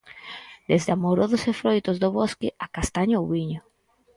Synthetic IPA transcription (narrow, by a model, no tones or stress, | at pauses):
d̪ezd̪amoɾoðosefɾojt̪ozðoβoskɪʔakast̪aɲowβiɲo